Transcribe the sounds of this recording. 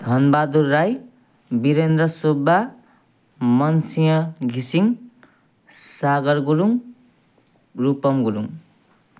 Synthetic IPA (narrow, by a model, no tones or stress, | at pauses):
d̪ʱʌnbad̪uraj | biɾend̪rʌsobːa | mʌnsijʌɡʱisiŋ | saɡʌrɡuɾuŋ | rupʌmɡuɾuŋ